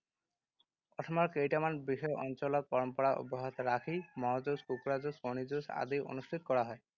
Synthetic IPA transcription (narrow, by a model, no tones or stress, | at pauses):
ɔtʰɔmɔɹkejʈamanbixɔjɔʔɔnt͡ʃɔlɔt̪̚pɔɾɔmpɔɽaʔṵbɔɦɔt̪ɔɾakʰimɔɦzoskukuɾazoskonid͡ʒosa̰d̪ijo̰nusʈʰit̪ɔ̥kɔɹaɦɔe